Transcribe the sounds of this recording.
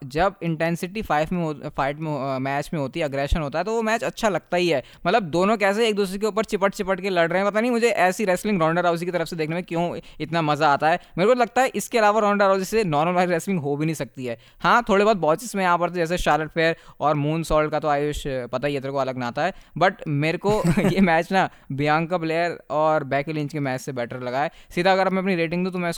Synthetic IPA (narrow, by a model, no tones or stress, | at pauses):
d͡ʒɐbɪ̃ɳʈɛ̃nsɪʈifaːɪfmẽɦofaːɪʈmẽɦmɛːt͡ʃmẽɦoːt̪iɦɛɐɡɾɛːʃə̃nɦoːt̪aɦɛt̪oʋomɛːt͡ʃɐtːʃʰalɐɡ̚t̪aɦiɦɛː | mɐt̪ləb̚d̪oːnõk̬ɛːs̬eeːk̚d̪uːs̬ɾek̬euːpəɾt͡ʃɪpəʈ̚t͡ʃɪpəʈkelɐɽɾɐɦẽɛ̃pɐt̪̬anɐɦĩmʊd͡ʒʱeʔɛːsiɾɛːslɪ̃ŋɡɾɔːɳɖəɾɦaːʊzikit̪ɐɾəfsed̪eːkʰnemẽkjõːɪt̪namɐzaaːt̪aɦɛːmeːɾekolɐɡ̚t̪aɦɛʔɪskeɐlaːʋaɾɔːɳɖəɾɦaʊzisenɔːɾməlʋaɪɾɛːslɪ̃ŋɡɦobʱinɐ̃ɦĩsɐk̚t̪iɦɛː | hãːt̪ʰoːɽibɔːd̪̚bɔːt͡ʃɪsmẽaːpɐɾt̪ed͡ʒɛːs̬eʃaːləʈ̚fʰeːɾɔːɾmũːnsɔːlɖkat̪oaːjoːʃpɐt̪aɦijet̪ɾkoɐləɡnaaːt̪aɦɛːbɐʈmeːɾekojemɛːt͡ʃna | bijãːŋkableːəɾɔːɾbɛːklɪ̃ɲt͡ʃkemɛːt͡ʃsebɛːʈʰəɾlɐɡaːɛːsid̪ʱaɐɡəɾɐbmɛ̃ɐpniɾeːʈɪ̃ŋɡd̪ũt̪̬mɛ̃ʊs